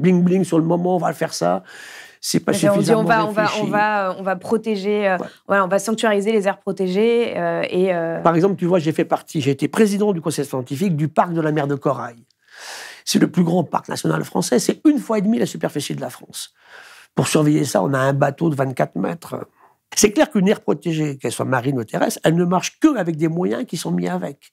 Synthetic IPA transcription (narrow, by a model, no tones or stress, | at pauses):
blĩŋbliŋsyʁləmɔmɑ̃ɔ̃valəfɛʁsa̰ | sɛpasyffidzaɔm̃vaɔ̃vaɔ̃ĩvaøɔ̃vapχɔt̪eʒeø̰valaɔ̃vasɑ̃kt̪yaʁizelezɛʁpχɔt̪eʒeøeøpaʁɛɡzɑ̃plət̪yvwaʒefɛpaʁt̪ʰiʒeːt̪epχezid̪ɑ̃d̪ykɔ̃sɛjsjɑ̃t̪ifik̚d̪ypaʁk̚d̪əlamɛʁd̪əkɔʁa̰j | sɛləplyɡʁɑ̃pa̰ʁkna̰sjɔna̰lfχɑ̰̃sɛsɛynfwaed̪milasypɛʁfisid̪əlafχɑ̃s | puʁsyʁvɛjesa̰ɔ̰̃naɛ̃bat̪od̪əvɛ̃nt̪̚kat̪χmɛ̰t̪χ | sɛklɛʁkynɛʁpχɔt̪eʒekɛlswa̰maʁinət̪ʰeʁɛ̰sɛlnəmaʁʃkəavɛk̚d̪emwajɛ̃kʲisɔ̃miavɛk